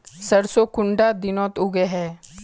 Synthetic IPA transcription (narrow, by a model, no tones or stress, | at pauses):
səɾsokʊɳɖaːd̪ɪnɔ̃ːt̪ʊɡeɦɛː